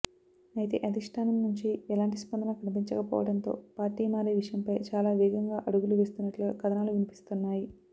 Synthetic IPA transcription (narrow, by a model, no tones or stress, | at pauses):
ɐjt̪̬e̞̰ːʔɐd̪ʱiʂʈʰaːnɐmnuɲt͡ʃiɛlaːɳʈispɐnd̪ɐnɐkɐnip̬iɲt͡ʃɐkɐpɔ̰ːʋɐɽɐnt̪o̞̰ːpaːɾʈiːmaːɾiːʋiʂɐjɐmpɐjt͡ʃaːlaːʋɛːɡɐŋɡaːʔɐɽuɡuluʋeːst̪unːɐʈluɡɐkɐd̪ɐnaːluʋinipi̥st̪unːaːji